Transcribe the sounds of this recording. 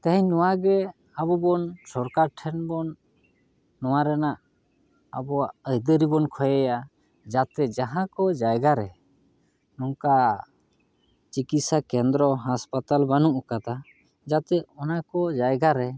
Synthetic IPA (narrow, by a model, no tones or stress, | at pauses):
t̪aɦiɲnɔwaɡɛ | abɔbɔnsɔɾkaɾʈʰɛnbɔnː | ɔwaɾɛnaʔ | a̰bɔaʔəjd̪əɾibɔnkʰɔjɛja | d͡ʒat̪ɛd͡ʒaɦãkɔd͡ʒajɡaɾɛ | nɔŋka | t͡ʃikit̪sakɛnd̪ɾɔɦaspat̪albanuʔkat̪a | d͡ʒat̪ɛɔnakɔd͡ʒajɡaɾɛ